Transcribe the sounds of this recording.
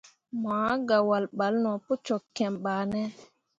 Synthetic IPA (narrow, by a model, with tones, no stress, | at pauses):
maː˨˦ɡa˨wa˨lɓa˨lnɔ˨po˦t͡ʃɔ˨kːɛ˨mɓaː˨nɛ˦